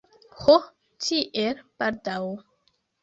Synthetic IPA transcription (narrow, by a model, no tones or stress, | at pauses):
ho | tʰiʔelpaɾdaw